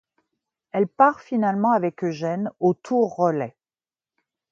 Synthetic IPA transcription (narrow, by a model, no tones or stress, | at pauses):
ɛlpaʁfinalmɑ̃avɛkʒɛnot̪ʰuʁːəlɛ